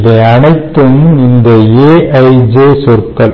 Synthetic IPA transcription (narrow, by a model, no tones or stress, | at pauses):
ðɐɐɳɐɪt̪ːɯmɪnd̪ɐeːʔɐɪd͡ʒeːsɔɾkːɐl